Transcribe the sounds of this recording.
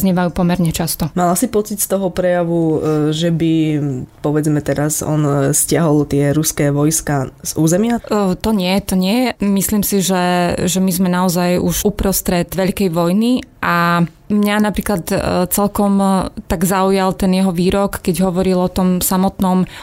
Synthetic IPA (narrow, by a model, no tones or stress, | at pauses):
zɲɛʋajuːpɔmɛɾɲɛt͡ʃast̪ɔmalasipɔt͡sicst̪ɔɦɔpɾɛjaʋuʒɛbipɔʋɛd͡zmɛt̪ɛɾasɔ̰nscɪaɦɔlt̪ɪɛɾuskɛʋɔjskaz̥uːzɛmɪat̪ɔɲɪɛt̪ɔɲɪɛmisliːmsiʒɛʒɛmizmɛnaɔzajuʒupɾɔst̪ɾɛd̪ʋɛʎkɛjʋɔjniʔa | mɲanapɾiːklat̪t͡sɛlkɔmt̪aɡzaujalt̪ɛnjɛɦɔʋiːɾɔkːɛɟɦɔʋɔɾilɔt̪ɔmsamɔt̪nɔm